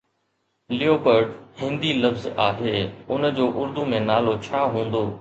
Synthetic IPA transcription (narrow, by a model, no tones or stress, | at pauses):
lɪoːpəɾɖhɪ̃nd̪ilɐfzaːɦeːʊnd͡ʑoːʔʊɾd̪umẽnaːlot͡ɕʰaːɦũːnd̪oː